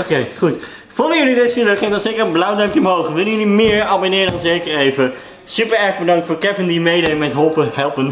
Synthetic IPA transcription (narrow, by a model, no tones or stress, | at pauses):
okejχut | fɔlˠəjəlidɪsniləkχɪŋətɔnz̥ejkəɹənblawdɛmpjəɔmɦowχəʋɪlˠənjəlimɪːɹɑbonɪːɹədɑnzejkəɹejvə | sypəɹɛɹχbədɑŋktfʊːɹkɛvɪndimejdəmɛtɦølˠpəɦɛlˠpən